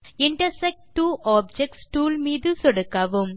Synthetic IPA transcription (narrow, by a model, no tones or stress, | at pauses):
ɪɳʈɐɾsɛk̚ʈʈːuːʔaːb̚d͡ʒɛk̚ʈsʈuːlmiːðɯsɔɽɐkːaʋɯm